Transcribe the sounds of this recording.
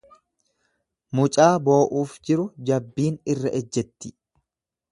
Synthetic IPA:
mʊt͡ʃʼaːbo̞ːʔuːfd͡ʒɪɾʊd͡ʒɐbːiːnɪrːɐʔɛd͡ʒːɛt̪ːɪ̥

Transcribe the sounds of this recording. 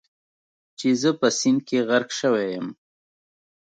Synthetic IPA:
t͡ʃezəpəsinkeɣaɾkʃəwejəm

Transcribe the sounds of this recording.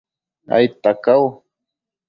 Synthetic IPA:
a̰jt̪akaw

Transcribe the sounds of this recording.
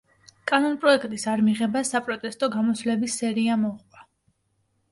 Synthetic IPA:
kʼanɔnpʼɾɔɛkʰʼt̪ʼisaɾmiʁɛbasapʼɾɔt̪ʼɛst̪ʼɔɡamɔsvlɛbisːɛɾiamɔʁʼwa

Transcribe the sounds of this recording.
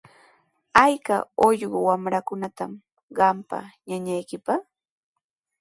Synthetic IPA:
ajka̰oʎɢʊwamɾakʊnat̪am | ɢɑmpa̰ɲaɲajkɪpɑχ

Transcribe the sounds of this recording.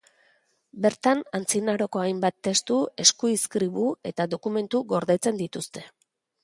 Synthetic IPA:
be̞ɾt̪anant͡sinaɾo̞ko̞ajmbat̪ːe̞st̪ue̞skuiskɾiβue̞t̪aðo̞kume̞nt̪uɣo̞ɾðe̞t͡se̞nd̪it̪ust̪e̞

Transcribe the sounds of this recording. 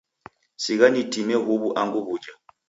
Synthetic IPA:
sik̬anitʰʼinɛɦuβuʔaŋɡuβuːd͡ʒa

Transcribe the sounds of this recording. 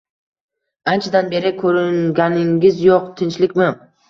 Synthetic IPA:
ant͡ʃʰad̪anbe̞ɾɪkʰɵɾɪŋɡʲanɪŋɡʲɪzjoq̚t̪ʰɪnt͡ʃlɪkʲmɪ

